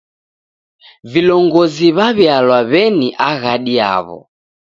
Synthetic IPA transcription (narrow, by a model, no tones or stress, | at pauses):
vilɔŋɡɔziβaβjalwaβɛniʔaɣaɗia̰βɔ̰